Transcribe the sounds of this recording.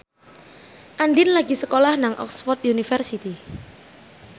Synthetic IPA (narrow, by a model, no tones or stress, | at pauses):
ʔanɖɪnlaɡisəkolahnaŋʔɔ̰ksfɔrt̪̚junifərsit̪i